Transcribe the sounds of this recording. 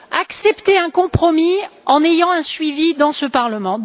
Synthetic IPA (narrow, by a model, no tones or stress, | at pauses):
aksɛpt̪eɛ̃kɔ̃pχɔmiɑ̃nejɑ̃ɛ̃sɥivid̪ɑ̃səpaʁləmɑ̃